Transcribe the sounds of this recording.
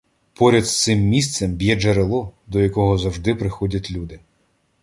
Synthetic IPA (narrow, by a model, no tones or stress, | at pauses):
pɔɾʲɐd̪st̪sɪmːʲist̪sɛmbʲjɛd͡ʒɐɾelˠɔd̪ɔjɐkɔɦɔzɐwʒd̪ɪpɾɪxɔdʲɐtʲlʲud̪ɪ